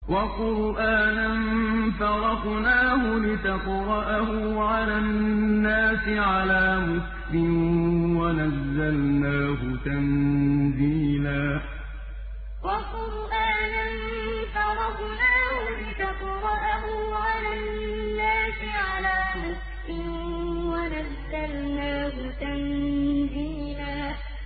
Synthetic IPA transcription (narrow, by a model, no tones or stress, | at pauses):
wɑqʊɾʔaːnanfɑɾˤɑqnaːhʊlɪt̪aqɾˤɑʔahʊʕalanːaːsɪʕalaːmʊslɪmwanazːalnaːɦʊt̪anziːlaː | wɑqʊɾʔaːnan | ʊsɑɾˤɑb | naːhʊbɪkaqʊɾˤɑʔahʊʕala | nːaːsɪʕalaːmʊslɪm | wanazːalnaːɦʊt̪anziːlaː